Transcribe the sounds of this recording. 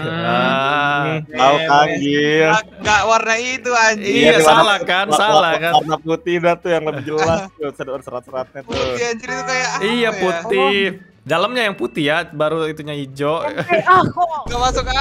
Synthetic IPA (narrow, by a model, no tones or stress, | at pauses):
a | aukaŋɡi | ŋɡaʔwarnait̪uaɲiaisaalakansalakanarnaput̪ɪhdat̪ujaŋləbid͡ʒəlast̪ʊsədədsəɾat̪̚səɾat̪̚ɲat̪utiaɲt͡ʃiɾit̪ukajaijaput̪i | daləmɲajaŋput̪iabaɾuit̪uɲaid͡ʒoʔ | ɡamasʊka